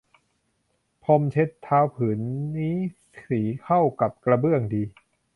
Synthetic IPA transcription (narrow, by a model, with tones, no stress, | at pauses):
pʰo˧mt͡ɕʰe˦˥t̪ʰːaː˧˥wpʰɯː˩˦nːiː˦˥ | siː˩˦kʰa˥˩wka˨˩p̚kɾa˧bɯ˥˩əŋdiː˧